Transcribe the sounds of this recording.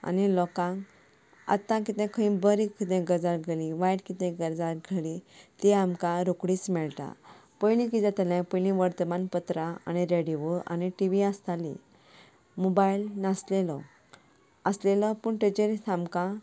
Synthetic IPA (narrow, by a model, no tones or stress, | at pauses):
a̰nilɔkãŋ | a̰t̪ːãkit̪ɛ̃kʰəĩbəɾikːit̪ɛ̃ɡəɾd͡zaɾɡʱelĩʋajʈkit̪ɛ̃ɡəɾd͡zaɾɡʱelit̪iamkãɾokɽit͡smɛɭt̪a̰pəjlĩkit̪ãt̪əlɛ̃pəjlĩʋəɾt̪əmanpət̪ɾaa̰ñiɾeɖiʋua̰niʈiʋiast̪alḭ̃ | mobailnaslelɔ | əslelɔpuɳʈed͡ʑəɾitamkã